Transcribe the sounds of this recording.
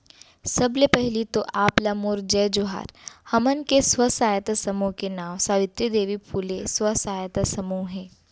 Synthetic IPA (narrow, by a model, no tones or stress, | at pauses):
sɐblepɛɦlit̪oʔaːplamoːɾd͡ʒɛːd͡ʒoɦa̰ːɾhɐmənkeswəsaːjət̪sɐmukenaːw̃saːʋɪt̪ɾid̪eːʋipʰuːleswɐsaːjət̪sɐmuːɦɛ̃ː